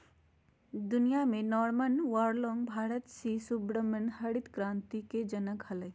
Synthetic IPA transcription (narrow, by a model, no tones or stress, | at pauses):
d̪ʊnijamẽnɔːɾmənʋaːɾlɔ̃ːŋɡbʱaːɾət̪sisubɾəmənhɐɽɪt̪kɾãːnt̪iked͡ʒənəkhɐlə